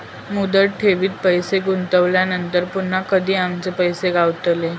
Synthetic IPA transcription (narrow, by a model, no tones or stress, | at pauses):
mud̪əɽʈʰeʋiːt̪̚pəjseɡunt̪əʋljanənt̪əɾpun̤ːakəd̪ʱiːamt͡sepəjseɡaʋt̪le